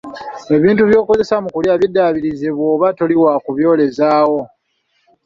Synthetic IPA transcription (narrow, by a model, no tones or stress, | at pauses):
e̞βiːntuβjo̞ːko̞ze̞samukuljaːβjedːaβiɾizeβwo̞ːβatoliwakuβjo̞ːle̞zaːwo̞